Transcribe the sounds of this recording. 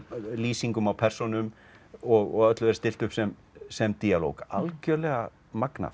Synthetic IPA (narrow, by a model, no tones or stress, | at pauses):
liːsiŋkʏmawpʰɛr̥sɔnʏm | ɔɣɔ̰ɣœt̪lʏɛɾ̥st̪ɪl̥t̪ʏhpsɛm | sɛmt̪iːalo̰wkalcœlɛɣa | makna̰